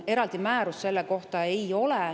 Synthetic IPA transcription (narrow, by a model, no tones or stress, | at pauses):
e̞ɾɑld̪̥imæːɾusːe̞lːeko̞ht̪ɑe̞jo̞lɛ